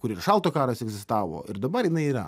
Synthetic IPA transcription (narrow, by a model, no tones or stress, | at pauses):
kʊɾɪrʃɑlˠt̪oːkɑːɾosɛɡzʲɪst̪ɑːʋo̰ːʔɪɾd̪ɐbɐɾjɪnɐɪiːɾɐ̰